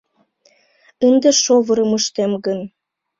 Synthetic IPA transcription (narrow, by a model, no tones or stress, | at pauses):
ənd̪eʃoβɤ̆ɾə̆məʃt̪emɡən